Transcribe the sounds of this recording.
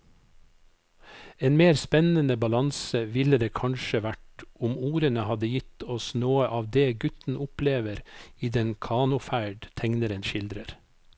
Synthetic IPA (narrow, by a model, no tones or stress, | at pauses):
eːnmeːɾspɛnənəbɑlɑnsəʋɪləd̪eːkʰɑnʃəʋæʈʊmuːɾənəhɑd̪əjɪt̪ɔsnoːəʔɑːʋd̪eːɡʉt̪n̩ʊpleːʋəɾiːd̪ɛnkʰɑːnʊfæɪɖt̪ʰɛŋnəɾənʃɪld̪ɾəɾ